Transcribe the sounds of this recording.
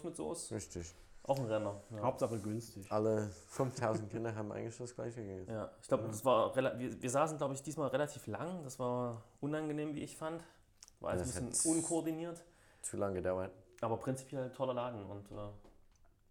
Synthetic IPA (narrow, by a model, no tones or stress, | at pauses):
tmɪtz̥o̰ːsɪçtɪç | ʔaʊxn̩ʁɛnɐahhaʊp̚tz̥aχəɡʏnstɪçʔaləfʏnftʰaʊzn̩tkʰɪndɐɦaːbm̩ʔa̰ɪɡŋ̩klɪçd̥asɡ̥la̰ɪçəɡəɡɪjaːʔɪçklaʊbədasv̥aːɐʁelaviːviːɐzaːsn̩ɡlaʊbəɪçd̥iːsmaːlʁelatʰiːflaŋd̥asv̥aːɐʔʊnanɡəneːmvḭːɪçfant | v̥aːɐʔa̰əssmbɪənʔʊnkʰoɔɐdiniːɐt | t͡sulaŋəɡədaʊɐtʔaːbɐpʁ̥ɪnt͡si̥pʰjɛltʰɔlɐlaːdn̩ʊ̰ntʔɛː